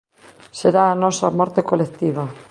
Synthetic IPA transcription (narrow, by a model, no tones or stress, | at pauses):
seɾaːnɔsamɔɾt̪ekolekt̪iβa